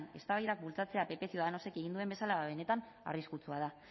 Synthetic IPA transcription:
ne̞st̪aβajðak̚bult͡sat͡se̞ape̞pe̞sio̞ðano̞se̞keɣind̪ue̞mbe̞salaaβ̞e̞ne̞t̪an | a̰riskut͡suað̞a

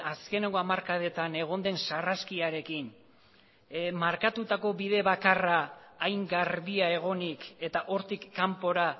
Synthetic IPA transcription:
aske̞ne̞ŋɡo̞amaɾkaðe̞t̪ane̞ɣ̞o̞nd̪e̞nsaraskiaɾe̞kin | maɾkat̪ut̪ako̞βiðe̞βakaraːjŋɡaɾβiae̞ɣ̞o̞nike̞t̪aʔo̞ɾt̪ikːampo̞ɾa

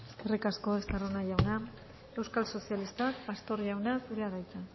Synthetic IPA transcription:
eskerikasko̞est̪aronaʝawna | e̞wskalso̞sialist̪akbast̪o̞ɾʝawnaseɾaðajt͡sa

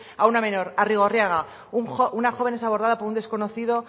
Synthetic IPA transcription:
auname̞no̞ɾariɣ̞o̞rjaɣ̞a | uŋounaxo̞βe̞nesaβ̞o̞ɾð̞aðapo̞ɾund̪esko̞noθiðo̞

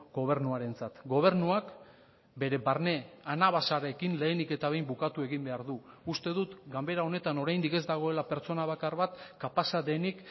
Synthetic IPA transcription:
ɡo̞β̞e̞ɾnuaɾe̞nt͡sat̪ɡo̞β̞e̞ɾnuak | be̞ɾe̞baɾne̞anaβasaɾekinle̞ːnike̞t̪aβe̞jmbukat̪ue̞ɣimbe̞aɾðuːst̪e̞ðut̪ɡambe̞ɾao̞ne̞t̪ano̞ɾajnd̪ike̞zd̪aɣ̞o̞e̞lape̞ɾt͡so̞naβ̞akarβat̪kapasad̪e̞nik

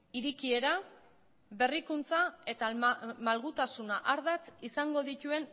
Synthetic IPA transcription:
iɾikie̞ɾa | be̞rikunt͡sae̞t̪amalɣut̪asunaʔaɾðat͡sisaŋɡo̞ðit̪ue̞n

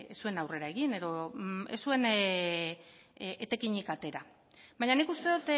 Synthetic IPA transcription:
esːue̞nawre̞ɾae̞ɣine̞ðo̞e̞sːue̞n | et̪e̞kiɲikat̪e̞ɾa | βajɲanikust̪e̞ðut̪

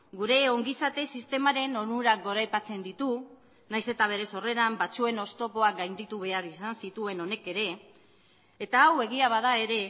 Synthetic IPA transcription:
ɡuɾe̞o̞ŋɡisat̪e̞sist̪e̞maɾe̞no̞ɾnuɾaɡo̞ɾajpat͡se̞nd̪it̪u | najse̞t̪aβ̞e̞ɾe̞so̞re̞ɾambat͡sue̞no̞st̪o̞po̞ak̚ɡajnd̪it̪uβ̞e̞aɾisansit̪ue̞no̞ne̞ke̞ɾe̞ː | t̪aːwe̞ɣ̞iaβaðae̞ɾe̞

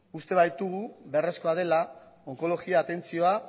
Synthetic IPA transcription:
ust̪e̞βajt̪uɣ̞uβe̞re̞sko̞að̞e̞la | o̞ŋko̞lo̞ɣiaːt̪e̞nt͡sio̞a

